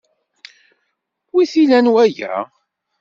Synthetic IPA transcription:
wiθilænwæjæ̰

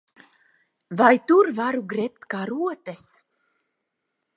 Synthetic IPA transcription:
vajt̪uɾvaɾuɡɾɛp̚t̪kaːɾuɔt̪ɛs

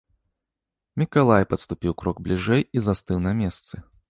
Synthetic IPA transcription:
mʲikalˠajpɐt̪st̪upʲiwkɾɔɡ̚blʲiʐɛjizast̪ɨwnɐmʲɛst̪sɨ

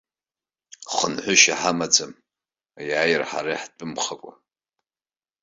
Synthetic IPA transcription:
χənħʷʊʃaħamad͡zam | ajaːjrħa̰ɾaħt͡pʼʊmχakʷʼa̰

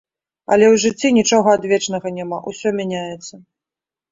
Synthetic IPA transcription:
ɐ̰lʲɛwʐɨt͡sʲːinʲit͡ʂɔɣɐad̪vʲɛt͡ʂnɐɣɐnʲamaʔusʲɔmʲanʲajɛt̪sːɐ

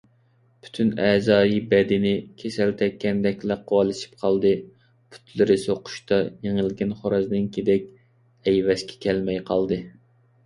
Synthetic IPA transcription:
pʰy̥t̪ʰynɛːzɑːjibɛd̪ɪnɪkʲʰesɛlt̪ʰɛkʲːɛnd̪ɛkʲlæqʰːowɑlˠɨʃi̥p̚qʰɑlˠd̪ɨ | pʰy̥t̪lɪɾɪsoqʰʊ̥ʃt̪ɑjeŋɪlɡʲɛnχoɾɑznɨnkʲʰid̪ɛkʲ | ɛjwɛskʲʰɛ̥kʲʰɛlmɛjqʰɑlˠd̪ɨ

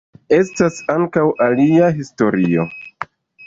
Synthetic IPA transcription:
e̞stasaŋkawʔaliaɦisto̞ɾio̞

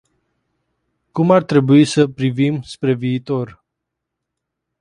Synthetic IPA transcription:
kumart̪ɾe̞buisəpɾivimspɾe̞viːt̪o̞r

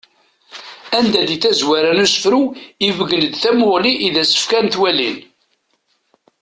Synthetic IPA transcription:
ænd̪æðiθæzwæɾænusə̥fɾuivəɡənəd̪θæmʊʁliʔiðæsə̥fkænθwælḭn

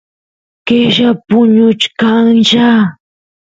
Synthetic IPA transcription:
keʒapʊɲʊt͡ʃkaŋʃa

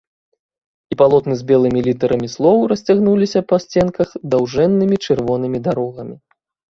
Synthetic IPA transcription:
ipalˠɔt̪nɨzʲbʲɛlˠɨmʲilʲit̪ɐɾɐmʲislˠɔwɾɐsʲt͡sʲaɣnulʲisʲɐpɐsʲt͡sʲɛnkɐxd̪awʐɛnːɨmʲit͡ʂɨrvɔn̪ɨmʲid̪aɾɔɣɐmʲi

